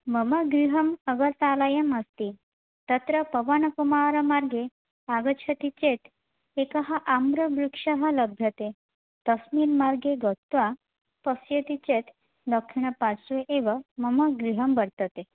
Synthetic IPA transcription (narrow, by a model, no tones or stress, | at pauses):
məməɡɾiɦəməɡəɾt̪alajəməst̪i | t̪ət̪ɾəpəʋanəkumaɾəmaɾɡe | aɡət͡ɕʰət̪it͡ɕet̪ | ekaɦaʔamɾəbɾukʂaɦaləbʱjət̪e | t̪əsmilmaɾɡeɡɔt̪ʋa | pəsjət̪it͡ɕet̪ | d̪ɔkʰʂiɳ̃əpasueʔeʋaməməɡɾiɦəmbəɾt̪ət̪e